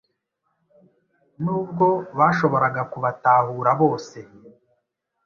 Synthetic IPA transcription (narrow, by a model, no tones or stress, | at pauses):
nuːb̚ɡo̞βaːʃo̞βo̞ɾaɡakuβataːhuːɾaβo̞ːse̞